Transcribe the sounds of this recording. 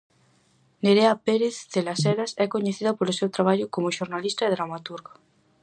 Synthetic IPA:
neɾeapeɾeθːelasɛɾasɛkoɲeθiðapolosewt̪ɾaβ̞aʎʊkomoʃoɾnalist̪aeðɾamat̪uɾɣa

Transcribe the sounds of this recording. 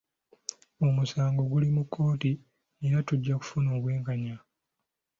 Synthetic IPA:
o̞musaːŋɡo̞ɡulimukʰːo̞ːti | eɾatuɟːaku̥funo̞ːβwe̞ːŋkaɲa

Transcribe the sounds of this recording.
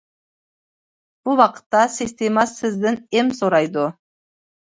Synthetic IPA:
b̥ʊwɑqə̥t̪ːɑsist̪emɑsɪzd̪ɪnemsoɾɑjd̪ə

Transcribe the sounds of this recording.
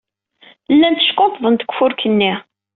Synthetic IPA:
lːænt̪ːə̥ʃkːot̪ˤðˤənt̪ə̥kʷːfʊɾkənːi

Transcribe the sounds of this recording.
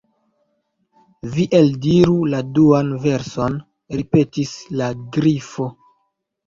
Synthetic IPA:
viʔeldiɾuladuanve̞ɾso̞n | ɾipe̞tislaɡɾifo̞

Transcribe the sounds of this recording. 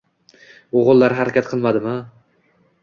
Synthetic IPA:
oʁʊlˠːaɾɦaɾakʲat̪̚qʰɨlˠmad̪ɪmɪ

